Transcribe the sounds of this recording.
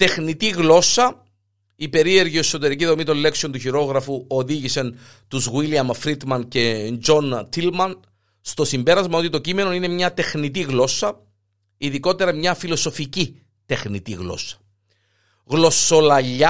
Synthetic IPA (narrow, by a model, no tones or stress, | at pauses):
t̪e̞xnit̪iɣlo̞sɐ | ipe̞ɾie̞ɾʝioeso̞t̪e̞ɾiciðo̞mit̪o̞le̞ksio̞nt̪uçiɾo̞ɣɾɐfuoðiʝisɐn | t̪uzɣwiliɐmfɾit̪mɐnce̞nd͡ʒo̞nt̪ʰilmɐn | st̪o̞simbe̞ɾɐzmɐo̞t̪it̪o̞cime̞no̞ine̞mɲɐt̪e̞xnit̪̬iɣlo̞sɐ | iðiko̞t̪e̞ɾɐmɲɐfilo̞so̞fici | t̪e̞xnit̪iɣlo̞̰sɐ̥ | ɣlo̞so̞lɐʎːɐ